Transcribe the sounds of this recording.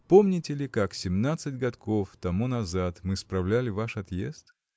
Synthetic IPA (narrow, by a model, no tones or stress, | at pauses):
po̞mnʲɪtʲɪlʲɪkaksʲɪmnat̪sɨtʲɡɐt̪ko̞ft̪ɐmunɐzat̪mɨspɾɐvlʲælʲɪvaʂɐt̪jḛst̪